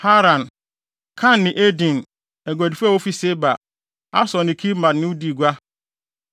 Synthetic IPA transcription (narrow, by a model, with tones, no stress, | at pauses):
ha˦ɾã˨n | kʰã˦nːɪ̃˨ʔe˦dĩ˨n | ɛ˨ɡʷa˨di˨fa˦˨wo˦fi˦se˦ba˨ | a̰˦sɔ̃˨nɪ̃˨kʰi˦mã˨dnɪ̃˦u˦di˨ɡʷa˦